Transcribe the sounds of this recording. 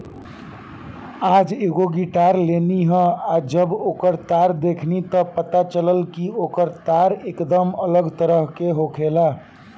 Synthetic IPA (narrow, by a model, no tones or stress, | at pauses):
ad͡ʒeɡoɡiʈaɾleniɦə̃ad͡ʒəbokəɾt̪aɾd̪ekʰnit̪ɔpət̪at͡ʃələlkiokəɾt̪aɾekd̪əmələɡt̪əɾəɦkeɦokʰela